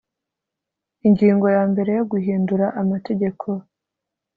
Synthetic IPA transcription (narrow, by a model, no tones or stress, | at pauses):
iɲɟiːŋɡo̞jaːmbe̞ɾe̞joɡuɦiːnduɾaʔamate̞ɟe̞kʰo̞